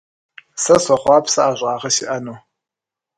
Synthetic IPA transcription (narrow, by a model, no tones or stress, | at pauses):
sɐsɐχʷɑːpʰsɐaːʑʷʼɑːʁɐɕɪʔɐnuː